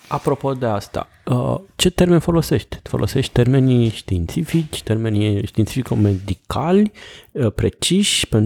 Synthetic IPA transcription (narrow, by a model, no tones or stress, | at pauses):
apɾo̞po̞d̪e̞ast̪a̰ | ət͡ʃe̞t̪e̞rme̞nfo̞lo̞se̞ʃt̪ʲfo̞lʔo̞̰se̞ʃt̪ʲt̪e̞rme̞nʃt̪int̪sifit͡ʃʲt̪e̞rme̞nʲʃt̪int̪sifikome̞d̪ikʰalʲpɾe̞t͡ʃiʃʲpen